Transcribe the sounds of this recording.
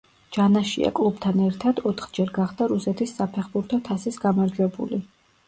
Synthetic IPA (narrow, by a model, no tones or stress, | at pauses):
d͡ʒ̥anaʃḭa̰kʼlˠubt̪ʰanɛɾt̪ʰad̪̥ɔt̪ʰχd͡ʒɛɾɡaχd̪aɾusɛt̪ʰisːapʰɛχbuɾt̪ʰɔt̪ʰasisɡamaɾd͡ʒwɛbṵli